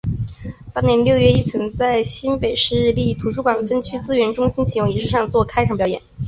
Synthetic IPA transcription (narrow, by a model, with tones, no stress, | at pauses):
t̪ɑ˥ŋnjɛ˧˥nljo˥˧ʊɥɛ˥˧i˥˩t͡sʰɤ˧˥ŋt͡sa˥˩ɪɕi˥npe˨˩ɪʂɻ̩˥˧li˥˩t̪ʰu˧˥ʂu˥˩kwa˨˩nfə˥nt͡ɕʰy˥t͡sɹ̩˥ɥɛ˧˥nʈ͡ʂʊ˥ŋɕi˥nt͡ɕʰi˨˧˥j̪ʊ˥˩ŋi˧˥ʂɻ̩˥˩ʂɑ˥˧ŋt͡swɔ˥˩kʰa˥ɪʈ͡ʂʰɑ˨˩ŋpjɑ˨˧˥jɛ˨˩˦